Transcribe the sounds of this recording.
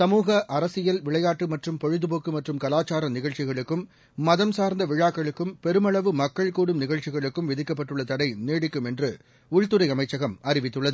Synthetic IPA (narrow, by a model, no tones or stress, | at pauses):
sɐmuːɣɐʔɐɾɐsɪjɐlʋɪɭɐjaːʈːɯmɐʈrɯmpɔɻɯðɯpoːkːɯmɐʈrɯmkɐlaːt͡ʃaːɾɐnɪɣɐɭt͡ʃɪɣɐɭɯkːɯmː | ɐðɐmsaːɾnd̪ɐʋɪɻaːkːɐɭɯkːɯmpɛɾɯmɐɭɐʋɯmɐkːɐɭkuːɽɯmnɪɣɐɻt͡ʃɪɣɐɭɯkːɯmʋɪðɪkːɐpːɐʈːɯɭːɐt̪ɐɽɐɪneːɽɪkːɯmɛndrɯ | ʊɻt̪ɯɾɐɪɐmɐɪt͡ʃːɐɣɐmɐɾɪʋɪt̪ːɯɭːɐðɯ